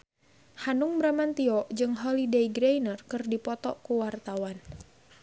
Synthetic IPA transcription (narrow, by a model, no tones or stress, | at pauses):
hanuŋbɾamant̪iɔʔd͡ʒɨŋɦɔlideiɡɾejnərkɨrdipɔt̪ɔkuwart̪awan